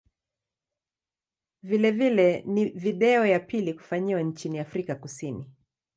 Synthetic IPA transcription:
vilɛvilɛniviɗɛɔjapiliku̥faɲiwant͡ʃiniafɾikakusini

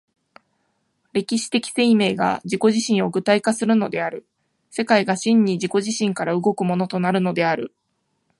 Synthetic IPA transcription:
ɾe̞kʲiɕi̥t̪e̞kʲi̥se̞ime̞ːɡa̰d͡ʑiko̞ʑiɕĩɰ̃o̞ɡɯ̟t̪aikasɨɾɯ̟no̞d̪e̞aɾɯ̟ | se̞kaiɡaɕĩɲ̟ːiʑiko̞ʑiɕĩŋkaɾaɯ̟ɡo̞kɯ̟mo̞no̞t̪o̞naɾɯ̟no̞d̪e̞aɾɯ̟

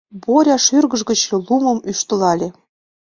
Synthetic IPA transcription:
boɾʲɑʃyrɣə̆ʒɣə̆t͡ɕɤlumɤ̆myʃt̪ɤ̆lɑlʲĕ

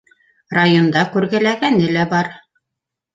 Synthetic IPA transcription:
rajo̞nd̪ɑkʉɾɡælæɡænɘlæbɑɾ

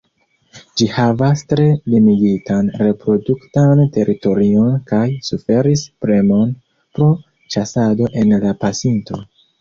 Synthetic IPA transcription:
d͡ʒihavastɾe̞limiɡitanɾe̞pɾo̞duktante̞ɾito̞ɾio̞nkajsufe̞ɾispɾe̞mo̞n | pɾo̞ | t͡ʃasado̞ʔe̞nlapasinto̞

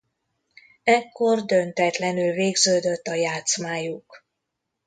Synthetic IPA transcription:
ɛkːo̞rd̪ønt̪ɛt̪lɛnylveːɡzøːd̪øt̪ːɒjaːt̪smaːjuk

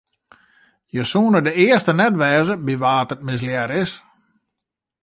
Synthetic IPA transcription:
jəsuːnədəɪəstənɛtʋɛːzəbiʋaːtət̚mɪs̬ljɛɾɪs

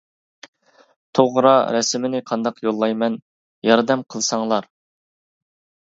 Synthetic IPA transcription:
t̪ʰoʁɾɑɾɛsmɪnɪqʰɑnd̪ɑqjolˠːɑjmɛn | jɑɾd̪ɛmqʰəlˠsɑŋlˠɑɾ

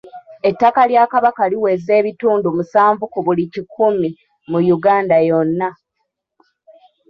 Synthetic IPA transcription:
e̞tːakaljakaβakaliwe̞ze̞ːβituːndumusaːɱvukuβulicikʰumi | mujuɡaːndajo̞nːa

